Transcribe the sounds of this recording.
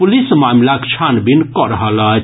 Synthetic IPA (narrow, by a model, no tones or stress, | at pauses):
pulismaːmlakt͡ʃʰanbinkɔɾɦələ